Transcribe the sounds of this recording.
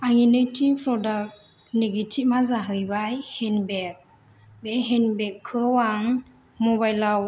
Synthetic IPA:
aŋinejtʰiŋpʰɾɔdak̚ | neɡitʰip̚mazaɦɯjbajhɛnbɛk̚ | beɦɛnbɛkʰːɯwaŋ | mɔbajlaw

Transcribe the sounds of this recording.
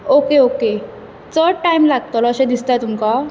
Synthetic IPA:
okeoke | t͡səʈajmlaɡ̚t̪ɔlɔəɕẽd̪ist̪ajt̪umka

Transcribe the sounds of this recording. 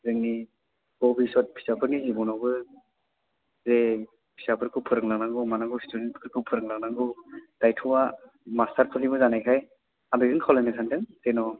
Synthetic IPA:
zɯŋni | ɡ̥ɔbisɔt̚pʰi̥sapʰɯɾnizibɔnabɯ | ze | pʰi̥sapʰɯɾkʰɯpʰɯɾɯŋlaŋnaŋɡɯmanaŋɡusi̥tudentkʰɯɾkʰɯpʰɯɾɯŋlaŋ̚naŋɡɯd̥ajtʰuwa | mastʰaɾpʰɯlibɯzanajkʰaj | abeɡɯŋkʰawlajnasʰantʰɯŋsenɔ

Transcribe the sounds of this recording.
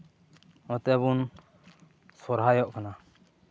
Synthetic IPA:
ɔt̪ɛbun | sɔɾɦajɔʔkana

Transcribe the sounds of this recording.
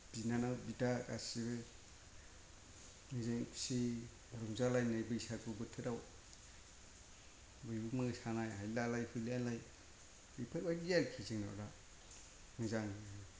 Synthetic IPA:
b̥inanawbitaka̰siβe | ŋɯzaŋpsi | baɾɔŋzalajnajbɯsakɯbɯtʰɯɾaw | bɯjumɯɡsanajɦajlalajhujlanlaj | ipʰabadijaɾkʰiziŋna̰w̰ɾa | ŋɯzaŋ

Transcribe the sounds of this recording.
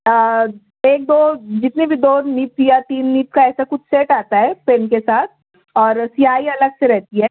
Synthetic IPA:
ə | eːk̚d̪oːd͡ʒɪt̪nebʱid̪oːniːpjat̪iːnːiːp̚kaɛːsakʊt͡ʃʰseːʈaːt̪aɦɛːpeːnkesaːt̪̚ʰ | ɔːɾsɪaːiɐləɡseɾɛɦt̪iɦɛː

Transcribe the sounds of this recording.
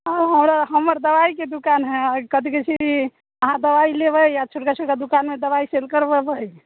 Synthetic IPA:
əɦəmɾaɦəmːəɾd̪əʋaiked̪ukanɦɛkəd̪iket͡ʃʰiki | əɦãd̪əʋailebəjat͡ʃʰoʈkat͡ʃʰoʈkad̪ukanmed̪əβaiselkəɾbəbəj

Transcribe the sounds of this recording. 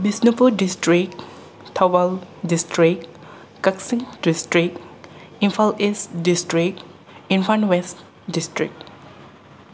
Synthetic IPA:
bisnipudistɹik̚ | tʰawaldistɹik̚ | kaksĩŋdistɹik̚ | ĩnfalisdistɹik̚ | ĩnfãnwɛst | distɹḭk̚

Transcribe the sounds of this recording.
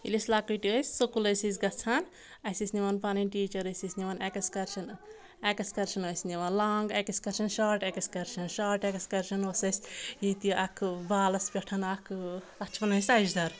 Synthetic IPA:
ilislaːkuʈiojsʲsukulɐjsis̬ɡɐt͡sʰan | ɐsisniʋɐnpaːninʈiːt͡ʃɐɾɐsisniʋanekɐskɐɾʃɐn | ekɐskɐɾʃɐnojsniʋɐnlaːŋɡɐkɐskɐɾʃɐnʃaːɾʈekɐskɐɾʃɐnʃaːɾʈekskɐɾʃɐnosɐsʲit̪iʔɐkʰbaːlɐspʲɐʈʰɐnɐkʰ | ɐt͡ʃʰpɐnɐsʲɐd͡ʒd̪ɐɾ

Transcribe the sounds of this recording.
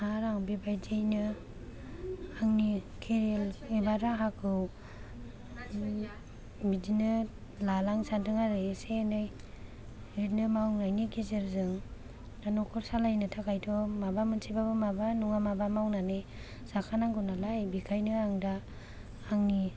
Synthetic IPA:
haɾaŋbibajd͡ʒejnɯ | aŋnikʰeɾelebaɾaɦakʰɯw | bidinɯ | lalaŋsandɯŋaɾɯsenaj | ɾet̚nɯmawnajniɡezeɾzɯŋ | danɔkʰɔɾsalajnɯtʰakʰajtʰɔmabamɯnsʰibabɯmabanuŋamabamawnanɯ | z̥akʰanaŋɡɔnalajbikʰajnɯaŋdaː | ŋni

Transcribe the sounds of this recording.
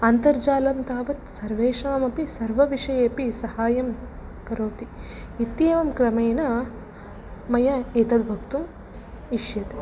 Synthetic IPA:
ɐnt̪ɐɾd͡ʒaːlɐmt̪aːʋɐt̪sɐɾʋeːʂɐʋɐmɐpisɐɾʋɐʋiʂɐjeːpisɐhaːjɐm | kɐɾoːt̪i | it̪jeːʋɐmkɾɐmɐjnɐ | mɐjɐeːt̪ɐd̪bʱɐkt̪um | iʂjɐt̪e

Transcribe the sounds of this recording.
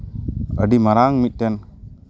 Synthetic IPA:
əɖimaɾaŋmit̪̚tɛn

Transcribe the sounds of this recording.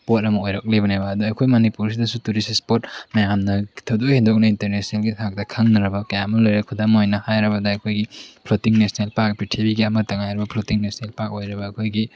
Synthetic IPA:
pot̚ɐmɐojɾɐk̚libɐnebɐːduɐkʰojmonipuɾsidɐsutuɾisispot̚mɐjamnɐtʰɐwdohendok̚nɐinteɾnesnelɡitʰak̚tɐkʰɐŋnɐɾɐbɐkɐjamɐlojɾekʰudamojnɐhajɾɐbɐdɐːjkʰojɡipʰlotiŋnesnelpak̚pitʰibiɡiɐmɐtɐŋajɾɐbɐpʰlotiŋnesnelpak̚ojɾɐbɐːkʰojɡi

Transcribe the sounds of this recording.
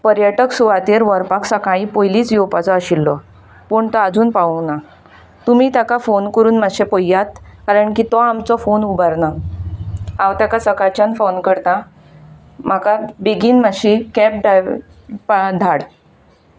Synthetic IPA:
pəɾjəʈəksuʋat̪eɾʋəɾpaksəkaĩpojliːt͡sjowpat͡sɔəɕilːɔ | pəɳt̪ɔad͡zuːnpaəna | t̪umiːt̪akafonkəɾuːnmaɕepojːat̪kaɾəɳkit̪ɔamt͡sɔfonubaɾna | ãwt̪akasəkat͡ɕanfonkəɾt̪ã | m̤akabeɡiːnmaɕikɛp̚ɖaj | paɖ̪ʱaɽ

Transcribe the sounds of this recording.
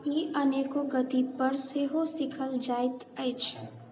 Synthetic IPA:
iːʔəneːkoɡət̪ipəɾseːɦosɪkʰəld͡ʒaːɪt̪ɛːt͡ʃʰ

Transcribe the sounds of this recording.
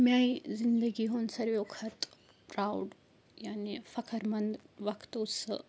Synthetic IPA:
mjajzind̪əɡiːɦonsɐɾʋjokʰɐt̪ | pɾawɖ | janifɐkʰəɾmɐnd̪ʋɐkt̪osə̰

